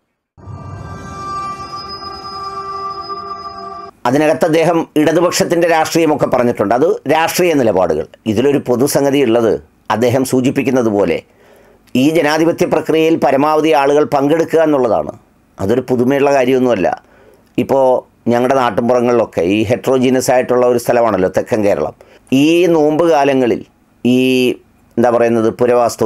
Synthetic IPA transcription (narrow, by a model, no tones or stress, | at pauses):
ɐðineɣɐt̪ːɐd̪ːe̞ːɦɐmiɽɐðubɐkʂɐt̪̬ːinde̞ɾaːʂʈriːjɐmo̞kːe̞pːɐrɐɲːiʈːuɳɖɨɐðɨɾaːʂʈriːjɐnilɐba̰ːɽuɣɐ̰ɭiðilo̞ɾupo̞ðusɐŋɡɐðijuɭːɐðɨ̰ | ɐd̪ːe̞ːɦɐmsuːd͡ʑipːikʲːunːɐðupo̞ːle̞̰ | iːd͡ʑenaːd̪ʱibɐt̪jɐprɐkrijɐjilpɐɾɐmaːʋɐðijaːɭuɣɐɭpɐŋɡe̞ɽukːuɣae̞nːuɭːɐða̰ːɳɨ̰ | ɐðo̞ɾupuðumejɭːɐkaːɾjɐmenːumɐlːɐ̰ | ipːo̞ː | ɲɐŋːɐɭɨɽenaːʈːumburɐŋːɐɭilo̞kːe̞̰iːɦe̞ʈro̞ːd͡ʑinɐsaːjiʈːuɭːɐo̞ɾust̪ʰɐlɐmaːɳɐlːo̞ːt̪e̞kːɐmke̞ːɾɐ̰ɭɐ̰m | iːno̞ːmbɨkaːlɐŋːɐɭḭl | iː | e̞nd̪aːpɐrɐjunːɐðɨpuɾɐʋaːst̪u